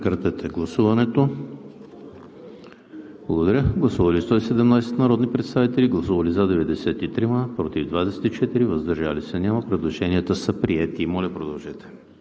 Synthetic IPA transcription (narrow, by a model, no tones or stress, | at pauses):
kɾət̪ɛt̪ʰɛɡlˠɐsuvɐnɛt̪o | blˠɐɡod̪ɐɾʲəɡlˠɐsuvɐlist̪ɔisɛd̪ɛmnajsɛ̥t̪nɐɾɔd̪nipɾɛt̪st̪avit̪ɛliɡlˠɐsuvɐlizad̪ɛvɛd̪ɛsɛt̪it̪ɾimapɾot̪ivd̪vad̪ɛsɛ̥t̪it͡ʃɛt̪iɾivəzd̪ɐɾʒalisənʲamɐpɾɛd̪lˠoʒɛniət̪əsəpɾiɛt̪imɔlʲɐpɾod̪ɐlˠʒɛt̪ɛ̥